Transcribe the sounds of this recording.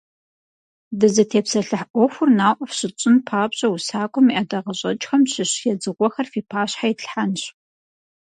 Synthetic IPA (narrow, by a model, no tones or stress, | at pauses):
dɨzɐtʰeːpsɐɬɐħʔʷɔxʷʊrnaːʔʷɔfɕɪt͡ʃʼɪnpʰaːpɕʼɐwusaːkʷʼʊmiʔɐdɐʁəɕʼɐt͡ʃʼxɐmɕʰɪɕjɛd͡zɨʁʷɔxɐrfiːpʰaːɕħajɪɬħanɕ